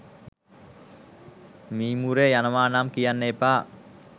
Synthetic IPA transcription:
mimuɾejanəmanamkijanːepa

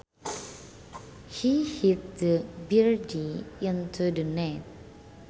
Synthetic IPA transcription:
hihit̚dəbiɹdiĩntʰudənɛt̚

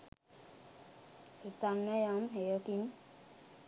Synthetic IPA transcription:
et̪anːəjamɦejəkin

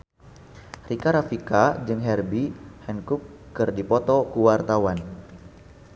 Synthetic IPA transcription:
rikaɾafikad͡ʒɨŋɦɛrbihɛnkukːɨrdipɔt̪ɔkuwart̪awan

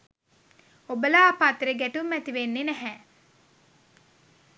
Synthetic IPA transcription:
obəlaːpat̪ɾeɡæʈumːɛt̪iʋenːenæɦɛ

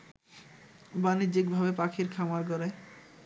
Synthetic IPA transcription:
banid͡ʑikbʱabepakʰiɾkʰamaɾkoɾe

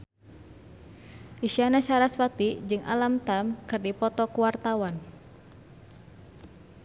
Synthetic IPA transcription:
ʔisianasaɾaswat̪id͡ʒɨŋʔa̰lamt̪amkɨrdipɔt̪ɔkuwart̪awan

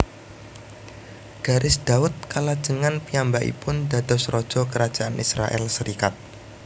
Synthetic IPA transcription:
ɡ̥a̤ɾʔɪsd̪̥aʊt̪̚kalad̥ʒ̥əŋanpiambaʔḭpʊnd̪a̤d̪ɔsrɔd̥ʒ̥ɔ̤kəɾḁʒ̥aʔanisɾa̰ʔɛ̰lsəɾikat̪̚

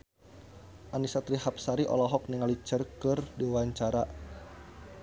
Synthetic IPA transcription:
ʔanisat̪ɾihapsaɾiʔɔ̰lɔɦɔk̚niŋalit͡ʃərkɨrdiwaɲt͡ʃaɾa

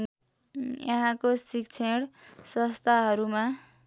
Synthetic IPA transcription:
jʌ̰ɦãkosikt͡sʰeɽsʌ̃st̪ʰaɦʌɾuma

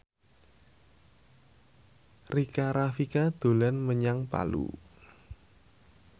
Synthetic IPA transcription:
rikaɾafikad̪̥o̤lanməɲaŋpa̰lṵ

